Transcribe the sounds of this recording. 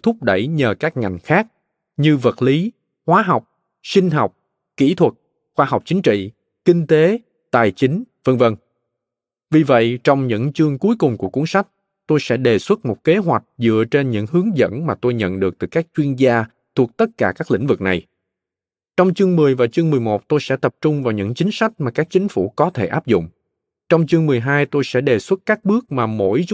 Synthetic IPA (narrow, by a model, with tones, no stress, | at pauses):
t̪ʰʊ˦˥p̚ɗə˧˩jɲəː˨˩kaː˦˥k̚ŋa˨˩jŋ̟xaː˦˥k̚ | ɲɨ˧və˨˩t̚li˨˦ | hwaː˨˦ɦa˨˩wk͡p̚ | sï˧ŋ̟ɦɔ˨˩wk͡p̚ | kḭ˧˥t̪ʰwə˨˩t̚ | xwaː˧ɦɔ˨˩wk͡p̚t͡ɕï˨˦ŋ̟t͡ɕḭ˧˨ | kï˧ŋ̟t̪e˨˦ | t̪aː˨˩jt͡ɕï˨˦ŋ̟və˧ŋvə˧n | vi˨˩və̰˧˨jt͡ɕɔ˧wŋ͡mɲɨ̰˧˥ŋt͡ɕɨ˧əŋku˨˦əjkʊ˨˩ŋ͡mku˧˩əku˨˦əŋsa˦˥jk̟̚ | t̪o˧jsɛ̰˧˥ɗe˨˩swə˦˥t̚mo˨˩t̚ke˨˦ɦwa˨˩jk̟̚zɨ̰˧˨ət͡ɕe˧nɲɨ̰˧˥ŋhɨ˨˦əŋzə̰˧˥nmaː˨˩t̪o˧jɲə̰˧˨nɗɨ˨˩ək̚t̪ɨ˨˩kaː˦˥k̚t͡ɕwi˧ənzaː˧ | t̪ʰu˨˩ək̚t̪ə˦˥t̚kaː˧˩kaː˦˥k̚lḭ̈˧˥ŋ̟vɨ˨˩k̚na˨˩j | t͡ɕɔ˧wŋ͡mt͡ɕɨ˧əŋmɨ˨˩əjvaː˨˩t͡ɕɨ˧əŋmɨ˨˩əjmo˨˩t̚t̪o˧jsɛ̰˧˥t̪ə˨˩p̚t͡ɕʊ˧ŋ͡mvaː˨˩wɲɨ̰˧˥ŋt͡ɕï˨˦ŋ̟sa˦˥jk̟̚maː˨˩kaː˦˥k̚t͡ɕï˨˦ŋ̟fṵ˧˩kɔ˨˦t̪ʰe˧˩ʔaː˦˥p̚zʊ̰˧˨ŋ͡m | t͡ɕɔ˧wŋ͡mt͡ɕɨ˧əŋmɨ˨˩əjɦaː˧jt̪o˧jsɛ̰˧˥ɗe˨˩swə˦˥t̚kaː˦˥k̚ɓɨ˦˥ək̚maː˨˩mo̰˧˥j